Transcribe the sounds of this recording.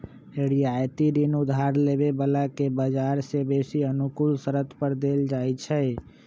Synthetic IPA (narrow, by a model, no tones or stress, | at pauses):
eɽiajt̪iɾinud̪ʱaɾlebebəlakebəd͡ʒaɾsebesiənukulsəɾət̪ʰpəɾd̪eld͡ʒajt͡ʃʰɛ